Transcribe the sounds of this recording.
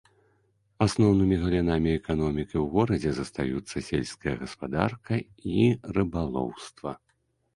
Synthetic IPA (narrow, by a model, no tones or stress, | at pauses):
asnɔwn̪ɨmʲiɣɐlʲinamʲiɛkanɔmʲikiwɣɔɾɐd͡zʲɛzɐst̪ajut̪sːɐsʲelʲsʲkɐjɐɣɐspad̪a̰rkʰɐ | irɨbalˠɔ̰wst̪vɐ̰